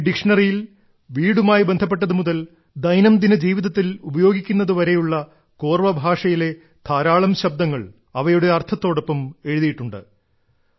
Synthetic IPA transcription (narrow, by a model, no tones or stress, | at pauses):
ɖikʂɐɳɐrijil | ʋiːɽumaːjibend̪ʱɐpːe̞ʈːɐðɨmuðɐl | d̪ɐjnɐmd̪inɐd͡ʑiːʋiðɐt̪ːilubɐjo̞ːɡikʲːunːɐðuʋɐɾe̞juɭːɐ | koːrʋɐbʱaːʂɐjile̞ | t̪ʰaːɾaːɭɐmɕɐb̚d̪ɐŋːɐɭ | ɐʋɐjuɽe̞ɐrt̪ʰɐt̪ːo̞ːɽo̞pːɐme̞ɻuðijiʈːuɳɖɨ̰